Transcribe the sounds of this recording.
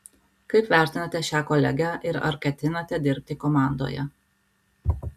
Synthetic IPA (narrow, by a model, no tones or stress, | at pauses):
kɐɪpʋʲæˑɾʲt̪ʲɪnɐt̪ʲɛʃʲæːkɔlʲɛ̰ɡʲæʔɪɾɐ̰ɾkʲɛt̪ʲɪnɐt̪ʲɛd̪ʲɪɾʲpʲt̪ʲɪkomɑˑnd̪o̰jɛ̰